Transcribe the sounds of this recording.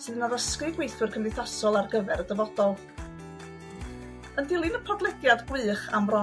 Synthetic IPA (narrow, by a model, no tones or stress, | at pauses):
sɨːðənaðəskrɨɡwejθwɨrkʰəndɪθasɔlˠarɡəvɛɾədəvɔd̥ɔlˠ | əndɪlˠɨnəpʰɔdlˠɛdjadɡwɨːχa̰mrɔ